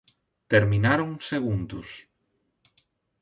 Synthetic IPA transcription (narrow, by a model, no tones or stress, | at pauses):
t̪eɾmĩnaɾoŋseɣ̞ũnd̪us